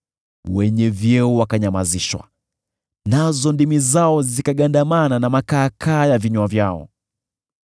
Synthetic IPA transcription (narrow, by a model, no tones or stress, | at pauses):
wɛɲɛvjɛɔwakaɲamaziʃwa̰ | nazɔndimizaɔzikaɠandamananamakaːkʰaːjaviɲwavjaɔ̰